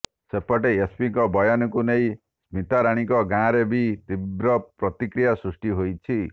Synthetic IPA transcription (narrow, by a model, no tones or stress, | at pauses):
sepːɔʈeespikɔbʌjanɔkunej | smit̪aɾaɽ̃ikɔɡãɾebit̪ibɾʌpɾʌt̪ikɾijasɾusʈiɦojt͡sʰi